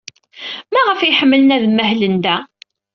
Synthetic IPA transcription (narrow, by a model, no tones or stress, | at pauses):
mæʁəfæjħəmːələnæðmːæhlənd̪æ